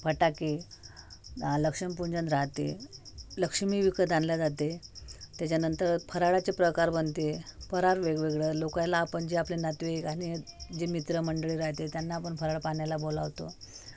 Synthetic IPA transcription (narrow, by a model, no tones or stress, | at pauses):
pʰəʈake | ləkʂəmpuɲd͡ʑənɾaɦt̪ḛləkʂmiʋikəd͡zanljad͡zat̪et̪jat͡ɕjanənt̪əɾfʰəɾaɭat͡sepɾəkaɾbənt̪epəɾaɾʋeɡʋeɡɭəlokalaːpəɳd͡ʑeaplenat̪ʋekañid͡ʑemit̪ɾəməɳɖəɭiɾaɦt̪et̪janːaːpəɳfʰəɾaɭpanjalabolaʋt̪o